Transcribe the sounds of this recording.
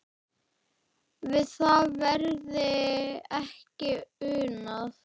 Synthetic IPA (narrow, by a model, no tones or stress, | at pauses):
vɪðθaðvɛɾðɪɛhcɪʏːnaθ